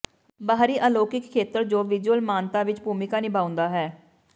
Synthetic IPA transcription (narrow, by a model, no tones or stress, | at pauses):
baːɾiːʔəloːkɪkʰːeːt̪əɾd͡ʒoːʋɪd͡ʒwəlmaːnt̪aːʋɪt͡ʃbuːmɪkaːnɪbaːʊ̃nd̪aːɦɛː